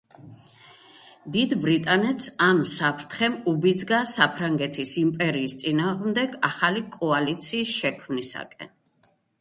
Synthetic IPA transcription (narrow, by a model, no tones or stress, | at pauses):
d̪id̪bɾit̪ʼanɛt̪samsapʰɾt̪ʰχɛmubid̪zɡasapʰɾaŋɡɛt̪ʰisimpʼɛɾiːst̪sʼinaːʁmd̪ɛɡaχalikʼɔalit̪sʰiːsʃɛkʰmnisa̰kʼɛ̰n